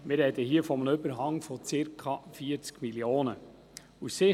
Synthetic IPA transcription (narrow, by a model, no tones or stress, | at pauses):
mɪɾɛd̪əhiəfɔmnʏbəɾɦɑŋfɔt͡sɪɾkʰɑfiːəɾt͡skmiljoːnə | usɪ